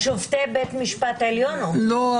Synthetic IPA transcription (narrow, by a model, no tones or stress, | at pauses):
ʃovt̪ebet̪miʃpat̪eljonolo